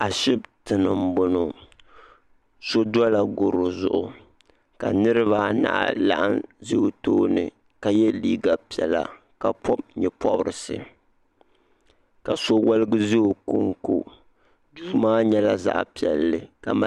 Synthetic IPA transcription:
a˨ʃɪ˦btɨ˨nɨ˨m̩˦bʊ˦no˨ | so˦da˦la˨ɡo˨ɾo˨zʊ˨ʔʊ˨ | ka˨nɨ˦ɾɨ˦βa˨na̰˨ʔla̰˨ʔa̰˦nzi˦o˨toː˦nɨ̰˨ | ka˨jɛ˦liː˦ɡa˨pi˨ɛ˨la̰˨ | ka˨pʰɔ˦b̚ɲɛ˨pʰɔ˦bɾɨ˨sɨ̰˨ | ka˨so˦wa˦lɨ˦ɡɨ˦zi˦o˨ku˦ŋku˦ | duː˦maː˦ɲɛ˦la˦za̰˦ʔpi˨ɛ˨lːɨ˨ka˨ma˨

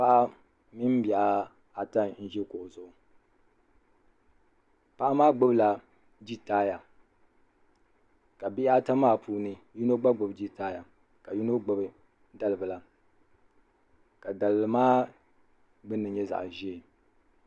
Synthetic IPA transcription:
pa˦ʔa˦ | mi˦m˦bja˨ʔa˦ | a˨ta˦n̩˦ʒɛ˦ko˨ʔzʊ˨ʔʊ˨ | pa˦ʔa˦maː˦ɡ͡bʊ˦bla˨ | d͡ʒi˦taː˦ja˨ | ka˨bi˦ʔa˦ta˦maː˦pʰuː˦nɨ˦ju˦no˦ɡ͡ba˦ɡ͡bo˨bd͡ʒi˦taː˦ja˨ | ka˨ju˦no˦ɡ͡bʊ˨bɨ˨ | da˦lɨ˨bɨ˨la˨ | ka˨da˨lɨ˨lɨ˨maː˦ | ɡ͡bɨ˦nːɨ˨ɲɛ˦za̰˨ʔʒɛ˦˨

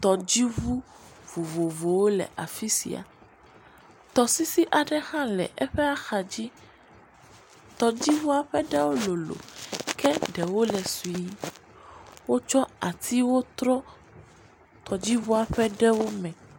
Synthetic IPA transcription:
t̪ɔ˨d͡ʑi˦vu˦ | vo˨vo˨vo˨wo˦lɛ̰˨ʔa˨fi˦sḭ˨a̰˨ | t̪ɔ˨si˦si˦ʔa˨ɖɛ˦xã˦lɛ̰˨ʔɛ˦ɸɛ˦a˦xa˨d͡ʑi˦ | t̪ɔ˨d͡ʑi˦vu˦a˨ɸɛ˦ɖɛ˦wo˦lo˨lo̰˨kɛ˦ɖɛ˨wo˦lɛ˨su˨i˦ | wo˦t͡ʃɔ˦a˨t̪ʰi˦wo˦t̪ɾɔ˦ | t̪ɔ˨d͡ʑi˦vu˦a˨ɸɛ˦ɖɛ˦wo˦mɛ̃˨

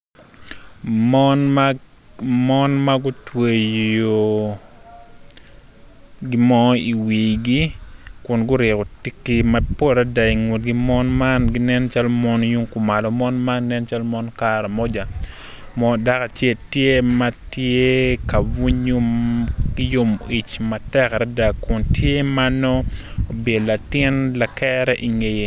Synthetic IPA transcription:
mɔn | mɔ˦nma˦ɡʊ˦twe˨jo˨ | ɡi˦mɔ˦i˨wi˨ɡi˦kʊ˨nɡʊ˦ɾɪ˨kɔ˨ti˦kːi˦ma˦po˦ɾa˦da˨i˨ŋwo˨t̚ɡi˦mɔ˦nma˦nɡɪ˦nɛ˦nt͡ʃa˦lmɔ˦nju˦ŋkʊ˨ma˨lɔ˨mɔ˦nma˦nɛ˦nt͡ʃa˦lmɔ˦nka˦ɾa˨mɔ˦d͡ʒa˨ | mɔ˦˨da˦ka˨t͡ʃe˦˨ltje˦ma˦tje˦ka˨wu˦ɲu˦ɡ̥i˦jo˦mi˨t͡ʃma˨tɛ˦kɾa˦da˨kʊ˨ntje˦ma˦nɔː˦˨be˨dla˨tɪ˦nla˨kɛɾɛ˦ʔi˨ŋe˨je˨

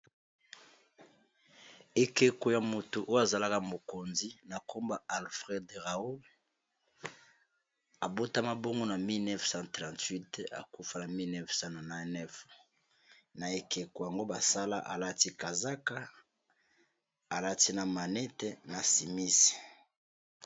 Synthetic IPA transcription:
e˨ke˨ko˨ja˨mo˨to˨ʔo˦ja˨za˨la˦ka˦mo˨ko˨nzi˦na˨kʰo˦mba˦a˨lfʁɛ˦dʁa˨u˦l | a˨bo˦ta˦ma˦bo˦ŋɡo˦na˨mi˦lnɛ˦fsã˦tʁã˨ntwi˦ta̰˨ku˦fa˦na˨mi˦lnɛ˦fsã˦na˨na˨˦nɛ˦f | na˨e˨ke˨ko˨ja˨ŋɡo˦ba˨sa˦la̰˦ʔa̰˨la˦ti˦ka˨za˦ka˦ | a˨la˦ti˦na˨ma˨nɛ˦te˨na˨si˨mi˦si̥˨

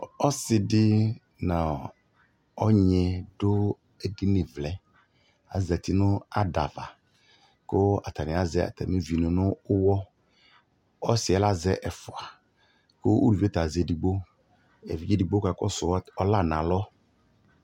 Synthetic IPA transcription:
ɔ˦sɪ˨dɪ˦ | na˨ | ɔ˦ɲɛ˨dʊ˦ | ɛ˦ɡi˦nɪ˨vlɛ˨ | a̰˨˦zɛ˨tɪ˦nʊ˦a˦da˨va˨ | kʊ˦a̰˨ta˨nɪ̃˨a˦zɛ˦a̰˨ta̰˨me˦vi˨nʊ˨nʊ˦ʊ˦wɔ˦ | ɔ˦sɪ˨ɛ˦la˦zɛ˦ʔɛ˨fʊ˨a˨ | kʊ˦u˦ɾu˨vi˦ɛ˦ta˨zɛ˨di˨ɡ͡bo˦ | ɛ̰˨vi˨d͡ʒi˦di˨ɡ͡bo˦ka˨kɔ̰˦sʊ˨˦ɔ˦la˦˨nã˨lɔ˦

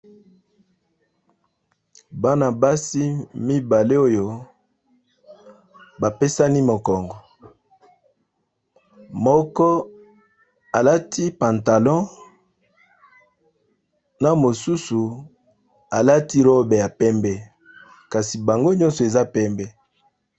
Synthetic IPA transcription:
ba˦na˨ba˦si˦mi˦ba˨le˦o˦jo˨ | ba˨pe˦sa˦ni˦mo˨kɔ˨ŋɡɔ˨ | mɔ˦kɔ˦ | a˨la˦tʰi˦pa˨nta˨lɔ̃˦ | na˨mo˨su˦su˨ | a˨la˦ti˦ʁo˦be˨ja˨pɛ˦mbɛ˦ | ka˨si˨ba˨ŋɡo˦ɲɔ̃˦nsɔ˨e˨za˦pɛ˦mbɛ˦

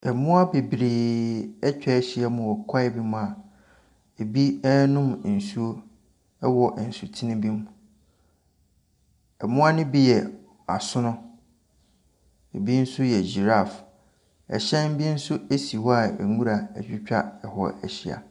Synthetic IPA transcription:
ɛ˨mʊ̃˦a˦be˨bɾiː˨ɛ˦t͡ɕᶣɛ˦ɕɪ˦ɛ˦mʊ̃˨ɔ˨kʰa˦e˨bi˦mʊ̃˦a˨ | e˨bi˦nʊ̃˦m˨n̩˨su˦o˦ | ɛ˦wɔ˨ʔn̩˨su˨tʰi˦nɪ̃˦bĩ˦m | ɛ˨mʊ̃˦a˦nɪ̃˦bi˦jɛ˨ | a˨sʊ̃˦nʊ̃˦ | e˨bi˦n̩˦sʊ˦jɛ˨d͡ʑi˨ɾa˦˨f | ɛ̰˨ɕɛ̃˦m˦bi˦n̩˦sʊ˦e˦si˨wɔ˦a˨ɛ̰˨ŋũ˦ɾa˨æ̰˨d͡ʑᶣɪ˦t͡ɕᶣa̰˦ɛ˨hɔ̰˨ɛ̰˨ɕi˦a̰˨

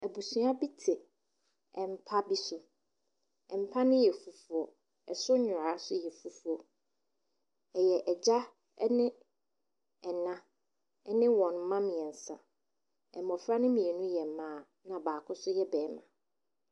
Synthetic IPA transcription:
æ˨bu˨sũ˦a˦bi˦tʰɪ˨ | ɛ˨m̩˨pʰa˦bi˦sʊ˨ | ɛ˨m̩˨pʰa˦nʊ̃˦jɛ˨fu˨fu˨˦ɔ˨ | ɛ˨sʊ˦ɲʊ̃˨ɾa˨˦sʊ˦jɛ˨fu˨fu˨˦ɔ˨ | ɛ˨jɛ˨ʔɛ˨d͡ʑa̰˦ | nɪ̃˦ | ɛ˨nã˦ | ɛ˦nɪ̃˦wɔ̃˨n˦mã˦mĩ˨ɛ˨n̩˨sa˨ | ɛ̰˨mɔ̃˨fɾa˦nʊ̃˦mĩ˨ɛ˨nũ˦jɛ˨mãː˨˦˨ | nã˨baː˨kʰʊ˦sʊ˦jɛ˦bɛː˨˦mã˨

